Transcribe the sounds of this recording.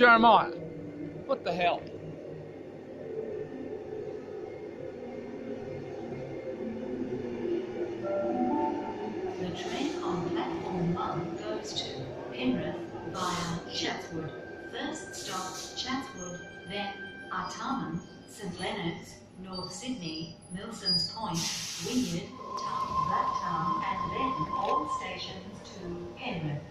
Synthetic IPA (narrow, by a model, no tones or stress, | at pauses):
d͡ʒɛɹəmaɪə | b̥ʌt̪̚ðəɦɛlˠp | ðɨtʰɹ̥ẽɪ̃nə̃nðəpʰl̥ætfɔːmːʌ̃nθɡ̥oʊz̥tʰɨ | pʰɛ̃nɹɨθb̥aɪə̃t͡ʃʰætswʊd̥̚fɜˑ˞ststɑp̚t͡ʃʰætswʊd | ðɨ̃nətʰɑmə̃m | sẽɪ̃nʔlɛnə˞dz̥ | nɔɹθsɪdⁿni | mɪlˠsɨ̃nz̥pʰɔ̃ɪ̃nʔwɪ̃nɨd̥tʰɑvʌk̚tʰɑ̃mɨ̃nðɛ̃nɔlˠsteɪʃɨ̃nz̥tʰəɛ̃nɹɨθ